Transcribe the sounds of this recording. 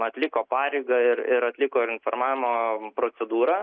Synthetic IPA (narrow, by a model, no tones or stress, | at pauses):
ɐt̪ʲlʲɪkoːpɑːɾʲɛɪɡɐɪɾɪɾɐt̪ʲlʲɪkoːɪnfoːrmɑːʋʲɪmoːpɾoːt̪sʲɛd̪uːɾɑ